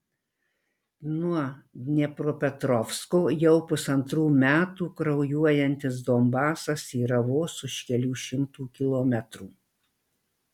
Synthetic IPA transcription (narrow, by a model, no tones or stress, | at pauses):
nuɔnʲɛpɾoːpʲɛt̪ɾɔfskoːjɛʊpʊsɐnt̪ɾuːmʲæːt̪uːkɾɐʊjuɔjɛnʲt̪ʲɪs̬d̪oːmbɑːsɐsiːɾɐʋoːsʊʃʲkʲɛlʲuːʃʲɪmt̪uːkʲɪlˠoːmʲɛt̪ɾuː